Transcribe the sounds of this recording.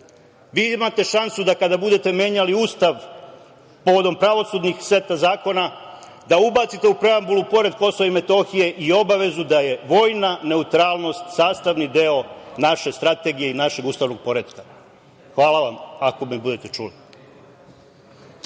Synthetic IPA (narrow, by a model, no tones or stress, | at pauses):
ʋiːimat̪e̞ʃansud̪akad̪abud̪e̞t̪e̞mje̞ɲaliuːst̪aʋ | po̞ʋo̞d̪o̞mpɾaʋo̞suːd̪nixsʋe̞t̪azaːko̞na | d̪aubat̪sit̪e̞upɾe̞ambulupo̞ɾe̞d̪̚ko̞so̞ʋaime̞t̪o̞xije̞ʔio̞baʋe̞zud̪aje̞ʋo̞ːjnane̞ut̪ɾaːlˠno̞st̪saːst̪aʋnid̪eo̞naʃe̞st̪ɾat̪e̞ɡijeinaʃe̞ɡuːst̪aːʋno̞ɡ̚po̞ɾe̞d̪ka | xʋaːlaʋamako̞mebud̪e̞t̪et͡ʃṵli